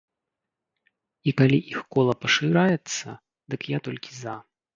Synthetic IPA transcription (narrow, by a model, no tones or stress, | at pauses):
ikalʲiʔixkɔlˠɐpɐʂɨɾajɛt̪sːɐ̰ | d̪ɨkjat̪ɔlʲkʲiza